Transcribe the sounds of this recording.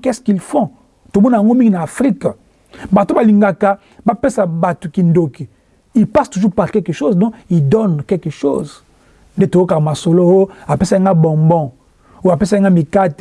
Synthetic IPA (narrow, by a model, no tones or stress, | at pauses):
kɛskilfɔ̃ | tomɔnaaŋɡomiŋɡinaafʁik | batubaliŋɡaka | bapesabatukindoki | ilpastuʒupaʁkɛlkeʃozdɔ̃kidɔnkɛlkeʃoz | ndetojokamasolowoapesaaŋɡabɔ̃mbɔ̃ | oapesaŋɡamikat